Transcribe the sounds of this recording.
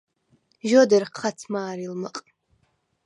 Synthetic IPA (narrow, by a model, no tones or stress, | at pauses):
ʒodɐrqχɐt͡sʰmaːɾilmɨqʼ